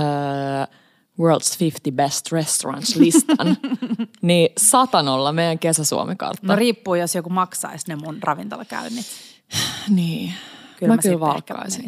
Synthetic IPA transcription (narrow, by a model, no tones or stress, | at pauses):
ə | wɜːld̪sfift̪ibest̪rest̪orɑ̰̃nslist̪ɑn | niːsɑt̪ɑnolːɑmeijæŋkesæsṵo̰mekɑ̰rt̪ːnːɑriːpːuːjosjokumɑksɑ̰isnemunrʔɑʋint̪o̰lɑkæ̰yni | niːkymæmkylʋɑlkːɑ̰isin